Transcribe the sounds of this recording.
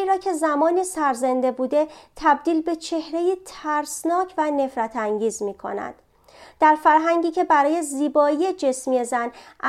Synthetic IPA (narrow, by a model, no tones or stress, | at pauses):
iːɾɒːcʰe̞zæmɒːniːsæɾzend̪e̞buːd̪e̞t̪ʰæb̚d̪iːlbe̞t͡ʃʰe̞hɾe̞jiːt̪ʰæɾsnɒːcʰvæne̞fɾæt̪ʰæŋɟiːzmiːkʰo̞̰næ̰nd̪̥ | d̪̥æɾfæɾɦæŋɟiːcʰe̞bæɾɒːje̞ziːbɒːije̞d͡ʒe̞smiezænʔæ